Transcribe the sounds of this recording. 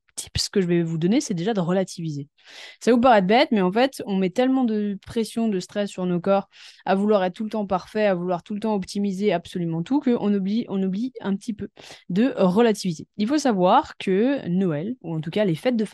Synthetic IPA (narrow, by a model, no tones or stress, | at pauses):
t̪ʰi̥psə̥kəʒəvɛvud̪ɔnesɛd̪eʒad̪əʁəlat̪ʰivize | savup̬aʁɛd̪əbɛt̪mɛɑ̃fɛt̪ɔ̃mɛt̪ɛlmɑ̃d̪əpχesjɔ̃d̪əst̪χɛsːyʁnokɔːʁavulwaʁɛt̪̚t̪ulət̪ɑ̃paʁfɛavulwaʁt̪ult̪ɑ̃ɔpt̪ʰimizeapsɔlymɑ̃t̪ukəʔɔ̃nubliʔɔ̃nubliɛ̃pət̪ipød̪əʁəlat̪ivizeilfosavwaʁkʰənɔɛluɑ̃t̪ukalefɛt̪̚d̪əf